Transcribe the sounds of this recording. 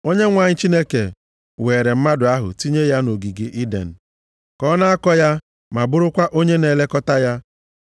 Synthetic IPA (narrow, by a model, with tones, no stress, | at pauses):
o˦ɲe˦ŋʷa˨ɲɪ˦t͡ʃi˦ne˦kḛ˨ | weː˨ɾe˨m̩˦ma˦dʊ˨a˦ɦʊ̰˨ti˦ɲe˦ja˦no˨ɡi˨ɡi˨ʔi˦dḛ˨n̩˨ | kɔ˦na˦a˦kɔ˦ja˦ | ma˨bʊ˦ɾʊ˦kʷa˦ʔo˦ɲe˦ne˨le˦kɔ˦ta˦ja˦